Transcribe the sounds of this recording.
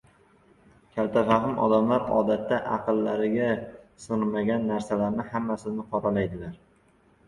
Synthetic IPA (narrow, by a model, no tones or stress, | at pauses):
kʲʰalt̪ʰafaɦɪmʔɒ̰d̪amlaɾɒ̰d̪at̪ːaʔɑ̰qɨlːaɾɪɡʲasɨmaɡʲanːaɾsalaɾnɪhamːasɪnɪqʰɒɾalajd̪ɪlaɾ